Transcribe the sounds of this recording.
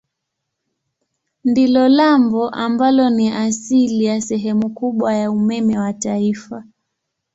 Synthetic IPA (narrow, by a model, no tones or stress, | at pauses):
ndilɔlambɔʔambalɔniʔasilijasɛɦɛmukuɓwajaumɛmɛwataifa